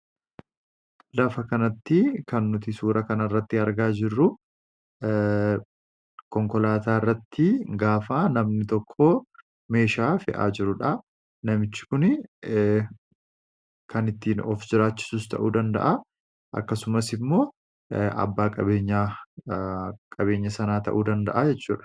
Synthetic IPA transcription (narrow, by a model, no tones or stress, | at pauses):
lɐfɐkɐnɐt̪ːɪkɐnːʊt̪ɪsuːɾɐkɐnɐrːɐt̪ːɪɐɾɡaːd͡ʒɪrːʊ | kɔŋkɔlaːt̪aːɪrːɐt̪ːɪɡaːfanɐmnɪt̪ɔkʰːo | me̞ːʃaːfɪ̰ʔa̰ːd͡ʒɪɾʊᶑɐ | nɐmɪt͡ʃːɪ̥kʊn | kɐnɪt̪ːiːnɔfd͡ʒɪɾaːt͡ʃːɪ̥suːst̪ʰɐ̰ʔuːd̪ɐnd̪ɐ̰ʔa | ʔɐ̰kːɐsʊmɐsɪmːo̞ː | ɐ̰bːaːkʼɐbe̞ːɲːaː | kʼɐβe̞ːɲːɐsɐnaːt̪ɐ̰ʔuːd̪ɐnd̪ɐ̰ʔad͡ʒɛt͡ʃːuːᶑɐ̥